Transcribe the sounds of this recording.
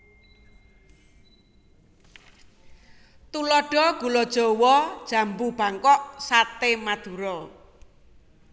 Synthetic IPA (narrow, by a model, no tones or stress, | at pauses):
t̪ulɔɖ̥ɔ̤ɡ̥ṳlɔd̥ʒ̥o̤wɔd̥ʒ̥a̤mbub̥a̤ŋkɔʔsat̪emad̪̥uɾɔ